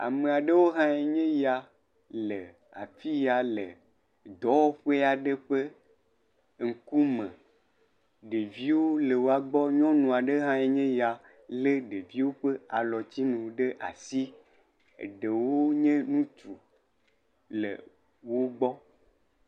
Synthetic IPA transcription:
a̰˨me˨a˨ɖe˦wo˦ɦã˦e˨ɲẽ˦ja˨ | le˨ | a̰˨fi˦ja˨le˨ | d̪ɔ˦wo˦ɸe˦a˨ɖe˦ɸe˦ | ŋ̩˨ku˦mẽ˨ | ɖe˨vi˦wo˦le˨wo˦a˨ɡ͡bɔ˦ɲɔ̃˦nũ˨a˨ɖe˦ɦã˦e˨ɲẽ˦ja˨ | le˦ɖe˨vi˦wo˦ɸe˦a˨lɔ˨t͡ɕi˦nũ˨ɖe˦ʔa̰˨si˦˨ | ɖe˨wo˦ɲẽ˦nũ˦t͡ʃu˨ | lḛ˨ | wo˦ɡ͡bɔ˦

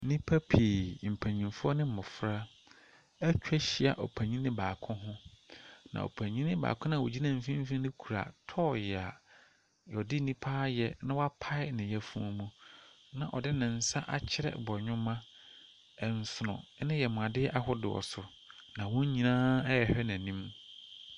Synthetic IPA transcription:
nĩ˦pʰa˦pʰi˨m̩˨pʰæ˨ɲĩ˨nfʊ˦ɔ˦nɪ̃˦mʊ̃˨fɾa˦ | æ˦t͡ɕᶣɛ˦ɕi˨a̰˨ʔɔ˨pʰa˨ɲĩ˦nɪ̃˦baː˨kʰʊ̃˦ɦʊ̃˦ | nã̰˨o̰˨pʰæ˨ɲĩ˦nɪ̃˦ba̰ː˨kʰʊ̃˦nã˨wo̰˨d͡ʑi˦nã˦˨m̩˨fĩ˦m̩˦fĩ˦nɪ̃˦kʰu˨ɾa̰˨tʰɔː˦˨jɛ˨a˨ | jɔ˨dɪ˦nĩ˦pʰaː˦jɛ˨nã˦wɔ˦a˦pʰa˦ɪ˦nɪ̃˨jɛ˨fũ˦ɔ˦mũ˦ | nã̰˨ʔɔ˨dɪ˦nɪ̃˨n̩˨sa˦ʔa̰˨t͡ɕʰɪ˦ɾɛ̰˦bɔ˨ɲᶣʊ̃˦mã˦ | ɛ˨n˨sʊ˨nʊ̰̃˨˦nɪ̃˦jɛ˨mʊ̃˨a˨dɪ˦ʔa˦hʊ˦dɪ̰˨ɔ̰˨sʊ˨ | nã˨wɔ̃˦ɲ˦ɲĩ˨nãː˦ɛ˦ɛ˨hɛ˦nã˨nĩ˦m

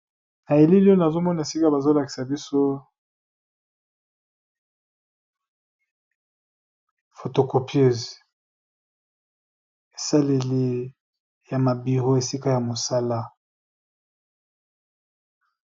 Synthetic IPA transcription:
na˨e˨li˦li˦o˦na˨zo˦mɔ˦na˨e˨si˦ka˦ba˨zo˦la˨ki̥˨sa˨bi˦so˦ | fo˨to˨ko˨pʰje˦˨z | e˨sa˦le˨li˨ | ja˨ma˨bi˨ʁo˦e˨si˦ka˦ja˨mo˨sa˦la˦

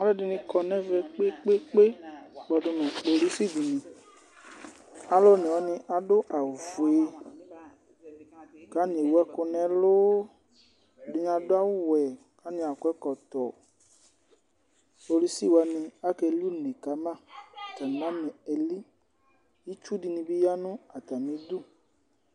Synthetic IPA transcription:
a˦lɛ˦dɪ˧nĩ˧kɔ˨nɛ̃˦vɛ˧k͡pe˦k͡pe˦k͡pe˦ɡ͡bɔ˧dʊ˨˧nɛ̃˨k͡po˧li˦si˦˨di˨nĩ˨ | a˨˦lɔ˦nĩ˨ɔ˨˦nɪ̃˧ʔa˨dʊ˦ʔa˨vʊ˨e˨ | ka˦ɲ˨e˨wu˦ɛ˦kʊ˧nɛ̃˨lʊ˦ | dɪ˦ɲ˦a˨dʊ˦a˦wʊ˦wɛ˨ | ka˦nɪ̃˨a˨kʊ˦ɛ˦kɔ˨t̪ɔ˨ | k͡po˨li˦si˦˨wa˨nɪ̃˧a˦kɛ˧lu˦nẽ˨ka˨mã˦˨ta˨n˨mã˦mɛ̃˨ɛ˨li˦ | ji˦t͡ʃu˦di˨nɪ̃˧bɪ˦ja˦nʊ̃˦a˨t̪a˨mĩ˨˦dʊ˦

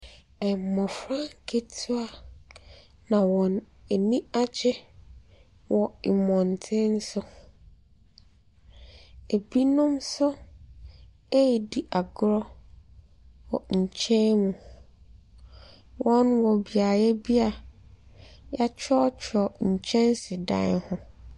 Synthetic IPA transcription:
ɛ˨m˨mɔ̃˨fɾã˦ŋ˨kʰe˦tʰʊ˦a˦ | nã˨wɔ̃˨n | e˨nĩ˦a˦d͡ʑɛ˦ | wɔ˨ɪ˨mɔ̃˨n˨tʰɪ̃˦n̩˦sʊ˦ | e˨bi˦nʊ̃˦msʊ˦ | e˦jdi˨ʔa˨ɡɾɔ˦ | wɔ˨ɲ̩˨t͡ɕʰɛ̃˦mũ˨ | wɔ̃˦nwɔ˨bi˨a˨jɛ˦bi˦a˨ | ja˦t͡ɕʰᶣɔ˦t͡ɕʰɔ˨ɲ̩˨t͡ɕʰɛ̃˦n˦sɪ˨dã̰˦nhʊ̃˦

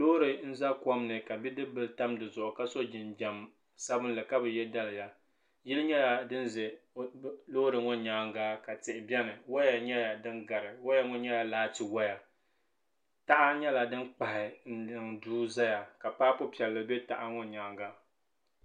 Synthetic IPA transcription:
lo˦ɾɨ˨n̩˦za˦kɔ˦mnɨ˨ka˨bi˦dɨ˦bɨ˦lta˦mdɨ˨zʊ˨ʔʊ˨ka˦so˦d͡ʒɪ˨nd͡ʒa˨m | sa˦bɨ˦nlɨ˨ka˦bɨ˨jɛ˦da˦lja˨ | jɪ˦lɨ˦ɲɛ˦ja˨dɨ˦n˦zɛ˨ | lo˦ɾɨ˨ŋɔ˦ɲaː˨˦ŋɡaː˦ka˨tɪ˨ʔɪ˨bɛ˦nɨ˨wa˦ja˨ɲɛ˦ja˨dɨ˦nɡa˨ɾɨ˨wa˦ja˦ŋɔ˦ɲɛ˦ja˨laː˦ti˨wa˦ja˨ | ta˦ʔa˦ɲɛ˦la˨dɨ˦nk͡pa˨hɪ˨n̩˦ɨ˨ŋduː˦za˦ja˨ka˨paː˦pʊ˦pi˨ɛ˨lːɨ˨bɛ˦ta̰˨ʔa˦ŋɔ˦ɲaː˨˦ŋɡa˦

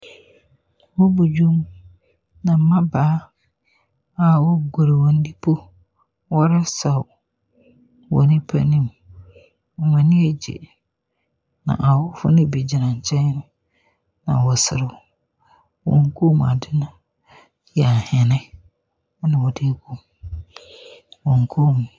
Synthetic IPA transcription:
wɔ˦bu˨d͡ʑᶣu˦m | nã˨m̩˦mã˦baː˨˦ | a˨wɔ˦ɡɔ˨ɾe˨wɔ̃˨n̩˦di˦pʰo˦ | wɔ˦ɾa˦sa˨wʊ˨ | wɔ̰˨nɪ̃˦pʰa̰˦nĩ˦˨m | ɔ˨mã˨nɪ̃˦ɛ˨d͡ʑḛ˨ | nã̰˨ʔa˨wʊ˦fʊ̰˦nɪ̃˦bi˨d͡ʑi˨nã˨ɲ̩˨t͡ɕʰɛ̃˦ɲ˦nʊ̃˦ | nã̰˨wɔ˨sɪ˨ɾɪ˨ | wɔ̰̃˨ŋ˦kʰo˦˨m̰̃˨a̰˨dɪ˦nã˦ | jɛ˨a˨hɪ˨nɪ̃˦ | nã˨wɔ˨de˦ɡu˦m | wɔ̃˨ŋ˨kʰo˦˨mũ˨

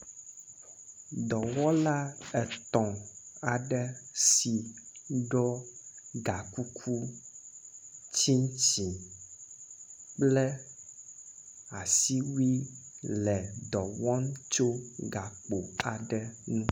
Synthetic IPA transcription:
d̪ɔ˨wɔ˦la˦ɛ˨t̪ɔ̃˨a˨ɖɛ˦si˨ɖɔ˦ɡa˨ku˦kʰu˦ | t͡ɕi˦t͡ɕĩ˨ | k͡plɛ˦ | a˨si˦wi˦lɛ˨d̪ɔ˨wɔ˦n˦t͡ʃo˦ɡa˨k͡po˨a˨ɖɛ˦nũ˦

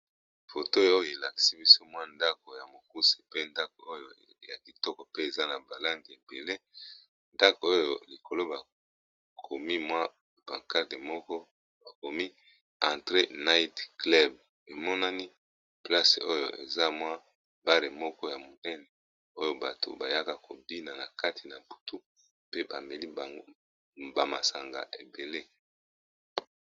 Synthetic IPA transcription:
fo˨to˦o˦jo˨e˨la˨ki̥˨si˦bi˦so˦mwa˦nda˦ko˨ja˨mo˨ku˦se̥˨pe˦nda˦k̚o˨o˦jo˨ | ja˨ki˨tɔ˦kɔ˨pe˦e˨za˦na˨ba˨la˦ndi˨e˨be˨le˦ | nda˦ko˨o˦jo˨li˨kʰo˨lo˦ba˨ | kʰo˨mi˦mwa˦ | ba˨ka˦te˨mɔ˦kɔ˦ | ba˨ko˨mi˦ | ã˨tʁe˦na˦i˦tklɛ˦b̚ | e˨mɔ˦na˦ni˦ | pla˦sḛ˨ʔo˦jo̰˨ʔḛ˨za˦mwa˦ | ba˦le˨mɔ˦kɔ˦ja˨mo˨nɛ˦nɛ˨ | o˦jo˦ba˨to̰˨ba˨ja˦ka˨ko˨bi˦na˨na˨ka˦tʰi˨na˨bu̥˨tʰu˦ | pe˦ba̰˨me˨li˦˨ | ba˨ma̰˨sa˨ŋɡa̰˨ʔe˨be˨le˦

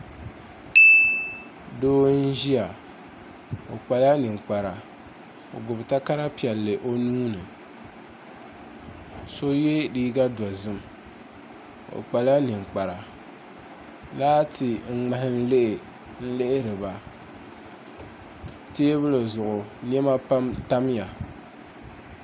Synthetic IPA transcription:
doː˦n̩˦ʒi˦a˨ | o̰˨k͡pa˨la˦nɨ˨ŋ͡mk͡pa˨ɾa˨ | o̰˨ɡʊ˨bta˦ka˦ɾa˦pi˨ɛ˨lːɨ˨ʔo˦nuː˦nɨ˨ | so˦je˦diː˦ɡa˦dɔ˨zɨ˦m˨ | o̰˨k͡pa˨la˦nɨ˨ŋ͡mk͡pa˨ɾa˨ | laː˦tɪ˨ŋ̩˦ŋ͡ma˨hɪ˦n̩˦le˦ʔ | n̩˦le˦ʔɪ˦ɾɨ˨ba˨ | teː˦bɨ˦lɨ˨zʊ˨ʔʊ˨n˦ɛ˦ma˦pa˦mta˦m˦ja˨

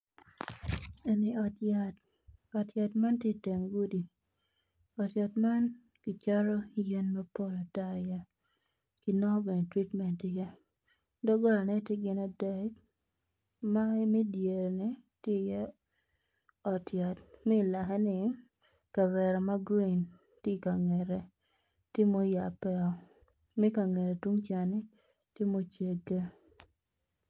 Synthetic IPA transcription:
e˨nɪ˦ɔ˨tja˨t | ɔ˨tja˨tma˦ntje˦te˨ŋɡu˦di˨ | ɔ˨tja˨tma˦n | kɪ˨t͡ʃa˦ɾɔ˦je˦nmɛ˦po˦lɔ˨ta˦ja˦ | ki˨nɔ˦be˨ne˨tɾi˦tmɛ˨ntɪ˨ja˦ | dɔ˦ɡɔ˦lnɛ˦tje˦ɡɪ˦na˨˦dɛ˨˦k | ma˦mi˦dje˨ɾnɪ˦tjɪ˦˨jɛ˦ | ɔ˨tja˨tmɛː˦˨la˨ɦɛ˦nɪ˦ | ka˨wɛ˨ɾɛ˨ma˦ɡɾi˦˨n | tɪ˦˨ka˨ŋɛ˨ɾɛ˨ | tɪ˦mo˦ja˨pɛ˦ɔ˨ | mɛ˦ka˨ŋe˨ɾe˨twu˦ŋt͡ʃa˨nɪ˦ | tɪ˦mo˦t͡ʃe˨ɡe˦

